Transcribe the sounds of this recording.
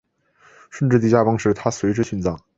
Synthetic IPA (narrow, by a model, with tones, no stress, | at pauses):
ʂə˥˧nʈ͡ʂɻ̩˥˧t̪i˥˩t͡ɕja˥˩pɑ˥ŋʂɻ̩˥˩t̪ʰa˥swe˧˥ɪʈ͡ʂɻ̩˥ɕy˥˧nt͡sɑ˥˩˦ŋ